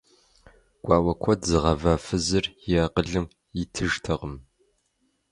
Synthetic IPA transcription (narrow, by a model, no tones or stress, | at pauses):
ɡ̥ʷɑːwɐkʷʰɔtzɨʁɐvafɨzɨrjaːqəɮɨm | ɪtʰɨʒtʰɐʁəm